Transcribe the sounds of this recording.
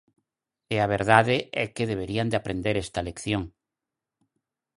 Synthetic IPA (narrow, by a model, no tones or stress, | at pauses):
eaβ̞eɾð̞aðeʔɛkeðeβ̞eɾiand̪eapɾend̪eɾɛst̪alekθjoŋ